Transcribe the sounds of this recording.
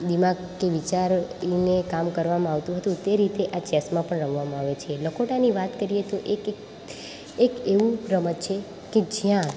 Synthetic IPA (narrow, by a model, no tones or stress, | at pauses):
d̪imaɡ | kːeʋit͡ʃaɾnekamkəɾʋamãaʋt̪ũɦət̪ũt̪eɾit̪eʔat͡ʃɛsmãpəɳɾəʋ̤ʋamãaʋet͡ʃʰeləkʰoʈaniʋat̪kəɾijet̪oʔek | ekeʋũɾəmət͡ʃʰe | ked͡ʒjã